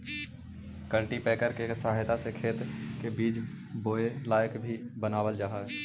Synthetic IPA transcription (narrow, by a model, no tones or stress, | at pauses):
kəlʈipɛːkəɾkesaːɦɪt̪asekʰeːt̪kebiːd͡ʒ | boːelaːjəkbʱibənaːwəld͡ʒaːɦaɦɛ